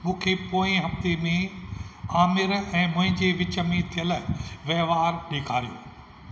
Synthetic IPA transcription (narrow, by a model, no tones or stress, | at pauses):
mũːkʰepoːɪ̃ɦɐft̪emẽ | aːmɪɾɛ̃ːmʊ̃ɦɪ̃ɲd͡ʑeʋɪt͡ɕəmẽt̪ʰijəlɪʋɐɦʋaːɾɗeːkʰaːɾijo̰ː